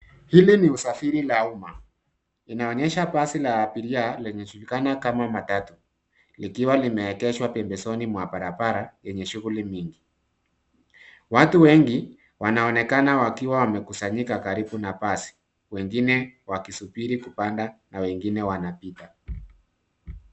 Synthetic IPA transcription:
hiliniusafiɾilauma | inaɔɲɛʃapasilaːpiɾialɛɲɛd͡ʒulikanakamamatatu | likiwalimɛːkɛʃwapɛmbɛsɔnimwapaɾapaɾajɛɲɛʃuɣulimiŋɡi | watuwɛŋɡi | wanaɔnɛkanawakiwawamɛkusaɲikakaɾiɓunapasi̥ | wɛŋɡinɛwakisupiɾikupandanawɛŋɡinɛwanapita

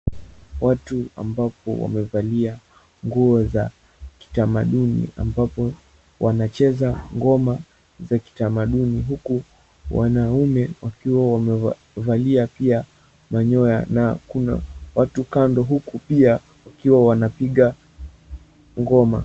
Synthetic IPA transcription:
watua̰mbapɔ̰wa̰mɛvalia | ŋɡuɔza | ki̥tamaɗunḭa̰mbapɔ | wanat͡ʃɛzaŋɡɔma | zaki̥tamaɗuniɦuku | wa̰naumɛwakiwawamɛ | valiapia | maɲɔjanakuna̰watukandɔɦukupia | wakiwawanapiɠa | ŋɡɔma̰

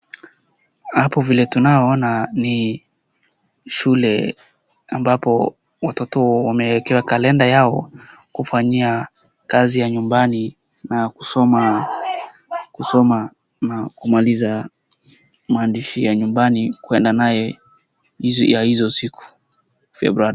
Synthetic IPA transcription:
hapɔvilɛtunaɔnani | ʃulɛ | ambapɔ | watɔtɔwamɛɛkɛwakalɛndajaɔ | kufaɲia | kazijaɲumbani | naku̥sɔma | kusɔma | nakumaliza | maːndiʃijaɲumbanikuɛndanajɛ | zjahizɔsikʰu̥ | fɛ̰bɾuaɾi

